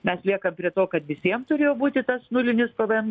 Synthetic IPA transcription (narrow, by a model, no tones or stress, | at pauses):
mʲɛslʲiɛkɐmpʲɾʲiɛt̪oːkɐt̪ʋʲɪsʲiɛmt̪ʊɾʲeːjoːbuːt̪ʲɪt̪ɐsnʊlʲɪnʲɪspɐʋʲɛn